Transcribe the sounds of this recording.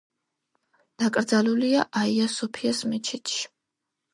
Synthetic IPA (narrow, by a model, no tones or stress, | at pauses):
d̪̥akʼɾd̪zaluliaʔaiasɔpʰiasmɛt͡ʃʰit̪ʰʼʃi̥